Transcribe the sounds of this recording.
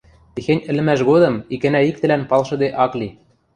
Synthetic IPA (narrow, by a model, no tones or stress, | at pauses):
t̪ixenʲɘ̆lɘ̆mæʃ̬ɣod̪ɤ̆mikɘ̆næik̚t̪ɘ̆lænpɑlʃɤ̆d̪eʔɑkli